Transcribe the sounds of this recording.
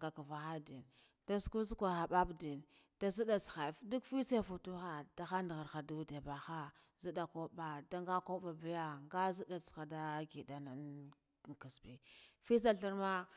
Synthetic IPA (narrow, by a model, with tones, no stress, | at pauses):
ŋɡa˨ka˨va˨xa˦di˨n | da˦sku˦s̬kʷa˨xa˨ba˦bdi˨n | d̥a˦zu˦da˨t͡sxa˨˦du˦kfi˦sa˦fu˨tu˦xa˨d̥a˨xa˦ndɣa˨ɾxa˨du˦de˨ba˨xa˦ | zi˦da˨ko˦ba˨da˦ŋɡa˦ko˦ɓa˨ba˨ja˦ŋɡa˦zi˦da˨t͡sxa˨da˦ɡi˨da˨na˨n˨ | ki˨sbi˨fi˦s̬a˦ɬi˦ɾma˦